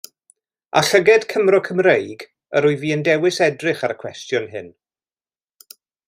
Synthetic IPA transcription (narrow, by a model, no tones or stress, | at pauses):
a̰ɬəɡɛd̥kʰəmrɔkʰəmrejɡ | əɾʊɨviːəndɛwɪsɛdrɪχaɾəkʰw̥ɛstjʊnɦɪ̰n